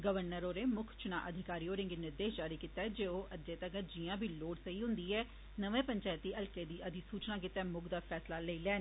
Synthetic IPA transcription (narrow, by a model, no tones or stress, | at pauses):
ɡəʋəɾnəɾoːɾeːmʊkʰt͡ʃʊna̰ːʔəd̪ʱɪkaːɾiːoːɾɪ̃ŋɡenɪɾd̪eːʃd͡ʒaːɾiːkit̪aːɛd͡ʒeːoːʔəd͡ʒeːt̪əkd͡ʒiãːbʱiːloːɽsəiːɦʊ̃nd̪iːɛː | nəʋẽːpəɲt͡ʃaːt̪ːiːʔəlkeːd̪iːʔəd̪ʱiːsuːt͡ʃnãːk̬ɪt̪ːaːmʊɡd̪aːfʰɛːslaːleiːlɛːn